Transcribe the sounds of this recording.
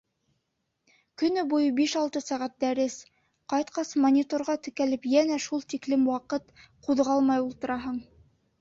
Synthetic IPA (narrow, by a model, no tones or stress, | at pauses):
kɵ̆nɵbujɤbiʃɑlˠt̪ɤsæʁæt̪̚d̪æɾɘs | qɑjt̪qɑsmonʲit̪oɾʁɑt̪ɵ̆kælɘpjænæʃulˠt̪iklɘmwɑqɤt̪quðʁɑlˠmɑjulˠt̪ɤ̆ɾɑɦɤɴ